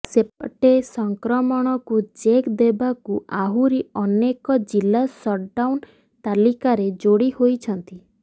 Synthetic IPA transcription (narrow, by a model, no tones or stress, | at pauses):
sepɔʈesɔŋkɾɔmɔɽ̃ɔkud͡ʒekd̪ebakuaɦuɾiɔnekɔd͡ʒilːasɔɖawn | t̪alikaɾed͡ʒoɽihojt͡ʃʰɔnt̪i